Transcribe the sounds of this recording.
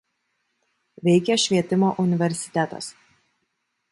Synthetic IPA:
ʋʲɛɪkʲɛʃʲʋʲiɛt̪ʲɪmoːʔʊnʲɪʋʲɛɾʲsʲɪ̥t̪ʲɛt̪ɐ̰s

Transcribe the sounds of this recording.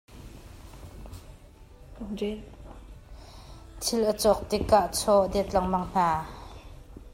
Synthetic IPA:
t̪ʰɪlʔət͡sɔk̚t̪ikːaʔt͡sʰɔʔd̪ɛt̪laŋmaŋn̥aː

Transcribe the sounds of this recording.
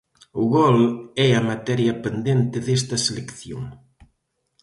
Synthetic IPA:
ʊɣolɛɐmat̪ɛɾjɐpend̪ent̪ɪðest̪ɐselekθjoŋ

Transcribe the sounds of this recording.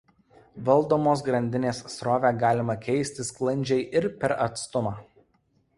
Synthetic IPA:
ʋɐlˠd̪oːmoːs̬ɡɾɐnʲd̪ʲɪnʲeːssɾoːʋʲæːɡɑːlʲɪmɐkʲɛɪsʲt̪ʲɪsklˠɐnʲd͡ʒʲɛɪʔɪɾpʲɛɾɐt̪st̪ʊmɑː

